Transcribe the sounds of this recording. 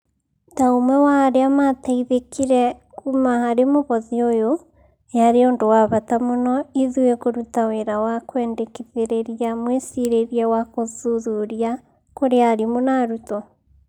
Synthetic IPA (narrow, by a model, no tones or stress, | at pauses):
taumwɛwaːɾeamataiðekiɾɛ | kumahaɾemoβɔðiojo | jaɾeondowaβatamonɔiðuɛkoɾutaweɾawakwɛndekiðeɾeɾiamwesiɾeɾiawakoðuðuɾia | koɾeaɾimonaɾutɔ